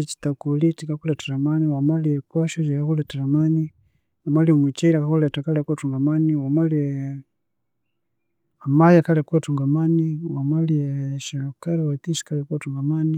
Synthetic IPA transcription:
ɛt͡ʃi̥t̪akulitikakulataɾamaniwamaliɛkwaʃɔt͡ʃikakulataɾamani | wamalimwit͡ʃɛiɾakakulɛtakalɛkuwatuŋɡamaniwamali | amajakalɛkuwatuŋɡamaniwamaliɛʃalɔkaɾawat̪iʃi̥kalɛkuwatuŋɡamani

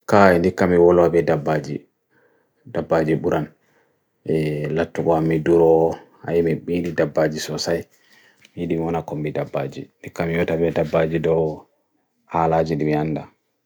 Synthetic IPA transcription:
kaɛndikːamiwɔlwabɛdabːad͡ʒi | dabːad͡ʒiɓuɾan | ɛlatːukɔamːiduɾɔha̰jimiɓiːɗidabːad͡ʒisɔsaj | mijiɗimiwɔnakɔmbidabːad͡ʒḭndikːamijɔtabɛdabːad͡ʒidɔw | halaːd͡ʒiɗimianda

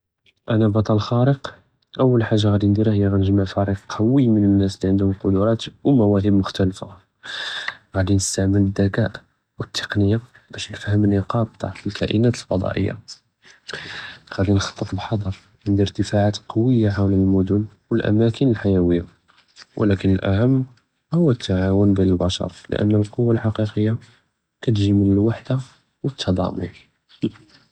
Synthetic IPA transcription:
ʔænæbɑt̪ˤɑllxɑɾəq | ʔəwːəlħaʒːaɣæd̪ind̪iɾahəjːaɣænəʒmaʕfæɾiqʰɑwəmənənːæsliʕənd̪hʊmqʊd̪ʊɾˤɑt̪wmæwæɦəbmʊxt̪ælfa | ɣæd̪inəst̪aʕmələd̪ːækæʔ | wət̪ʰːə̥qnəjːa | bæʃnəfhəmənːəqɑt̪t̪ːaʕfəlkæ̰ʔənæt̪əlfɑd̪ˤɑ̰ʔə̰jːa̰ | ɣæd̪inxɑ̥t̪ˤːət̪ˤbħɑd̪ˤɑɾˤ | ʕənd̪əɾt̪əfaʕat̪qɑwəjːaħawlælmʊd̪ʊn | wəlʔæ̰mækənəlħajæwəjːa | wʔlækənəlʔa̰həmː | hʊwːət̪ːaʕawʊnbiəlbæʃɑ̰ɾˤlə̰ʔə̰nːəlqowːalħɑqiqəjːa | kæt̪ʒimənəlwaħd̪a | wət̪ʰːɑd̪ˤɑ̰mʊ̰n

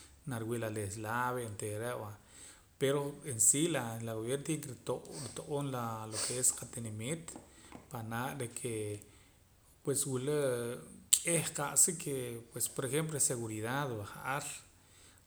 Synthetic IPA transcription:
naɾwiʔlales̬laβent̪eɾeʔwa | peɾoensilalaɣoβjeɾnt̪kɾioʔɾit̪oʔonlalokʰeesqat̪inemit̪panaʔɾekʰe | pweswule | kʼehqaʔsikʰepwespoɾexemp̬loseɣuɾiðaðwaχaʔaɾ

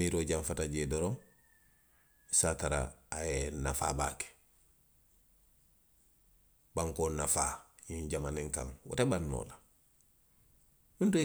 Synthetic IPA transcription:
iɾoɟaɱfatad͡ʒeːdɔɾɔŋ | isaːtaɾa̰ːjena̰fa̰ːbaːke̥ | baŋkoːnafaːjiɲɟamanĩŋka̰ŋwɔ̰tabanːo̰la | mintu

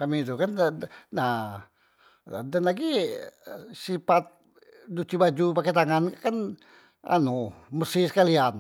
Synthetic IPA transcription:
kamit̪̬ukanna | dənlaɡi | sipat̪̚ | dut͡ʃ̪ibad͡ʒupakɛt̪̬aŋankkan | a̰noməsisə̥kalian

